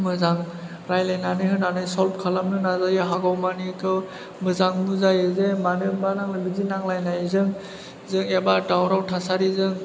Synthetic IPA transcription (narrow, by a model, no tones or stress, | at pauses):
mɯzaŋ | ɾajlajnanɯhɯnanajsɔlp̚kʰalamnɯnazajɯɦaɡɔwmanikʰɯw | mɯzaŋmuzajɯzemanɯbanaŋlɯbizinaŋlajnajzɯŋ | zɯŋebadawɾawtʰasaɾizɯŋ